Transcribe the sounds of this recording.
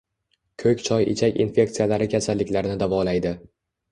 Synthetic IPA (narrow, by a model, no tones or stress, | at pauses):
kʲʰɵkʲt͡ʃʰɒjɪ̰t͡ʃʰakʲḭnfʲe̞kt̪sijalaɾɪkʲʰasalːɪkʲlaɾnɪd̪avɒlajd̪ɪ